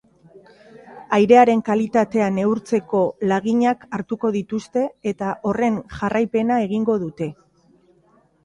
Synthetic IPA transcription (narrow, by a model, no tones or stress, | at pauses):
ajɾe̞aɾe̞ŋkalit̪at̪e̞ane̞uɾt͡se̞ko̞laɣiɲakaɾt̪uko̞ðit̪ust̪e̞et̪aʔo̞re̞ŋʝarajpe̞nae̞ɣ̞iŋɡo̞ðut̪e̞